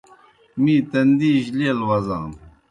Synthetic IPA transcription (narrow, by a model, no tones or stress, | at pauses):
mit̪ɐnd̪iʑlelwɐza̰ːn